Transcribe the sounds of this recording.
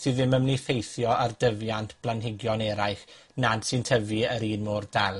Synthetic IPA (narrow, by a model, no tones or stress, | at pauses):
sɨːðɪməmnifejθjɔʔardəvjantʰb̥lˠanɦɪɡjɔnɛɾajχnad̥sɨntʰəvɨəɾiːnmoːrdalˠ